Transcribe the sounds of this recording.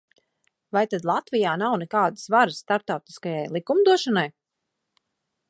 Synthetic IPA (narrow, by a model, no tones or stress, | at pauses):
vajt̪ad̪lˠat̪vijaːnawnɛkaːd̪ɨ̥svaɾɨsːt̪aɾp̚t̪awt̪i̥skajajlˠikumd̪uɔʃɔnaj